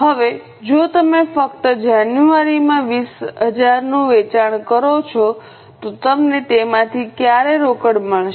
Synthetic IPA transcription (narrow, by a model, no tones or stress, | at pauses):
ɦəʋe | d͡ʒot̪əmefək̚t̪əd͡ʒanjuaɾimãʋisɦəd͡ʒaɾnũʋet͡ʃaɳ̃kəɾot͡ʃʰo | t̪ot̪əmnet̪emãt̪ʰikjaɾeɾokəɽməɭʃ